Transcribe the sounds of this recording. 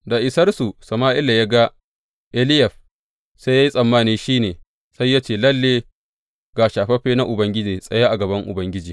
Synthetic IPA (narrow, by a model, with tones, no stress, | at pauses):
da˨ʔɪ˨sɐ˦rsu˨sɐ˨maː˦ʔɪ˦la˨ja˦ɡa˦ | ʔɛ˦lɪ˦jɐ˨ɸ | sa˦ja˦ji˦sʼɐ˨mːaː˦niː˦ʃiː˦neː˨ | sa˦jːa˦t͡ʃeː˦˨lɐ˦lːeː˦ | ɡ̥aː˨ʃaː˨ɸɐ˦ɸeː˦na˦ʔʊ˨bɐ˦ŋɡʲɪ˦d͡ʒiː˨sʼɐ˦ja˦ʔa˨ɡɐ˨bɐ˦ŋʔʊ̰˨bɐ˦ŋɡʲɪ˦d͡ʒiː˨